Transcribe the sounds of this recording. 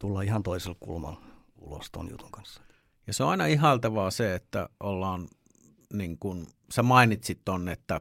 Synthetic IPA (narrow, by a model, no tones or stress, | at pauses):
t̪ulːɑihɑnt̪oiselkkṵlmɑ̰l | ṵlo̰st̪o̰njṵt̪uŋkɑnsːɑ̥ | jɑseoɑinɑihɦɑˑlt̪ɑʋɑːseet̪ːæ̰ʔolːɑːn | niŋkun | semɑinit̪sit̪t̪onːet̪ːæ